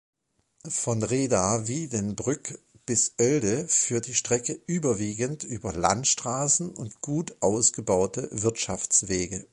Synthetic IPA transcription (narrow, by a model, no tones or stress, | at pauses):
fɔnʁeːdaːviːdɛnbʁʏk | b̥ɪsʔœldəfyːɐt̚d̥iːʃtʁ̥ɛkəʔyːbɐviːɡəntʔyːbɐla̰ntʃtʁ̥aːsn̩ʊntɡ̥uːtʔaʊsɡ̥əbaʊtəvɪɐtʃaft͡sv̥eːɡə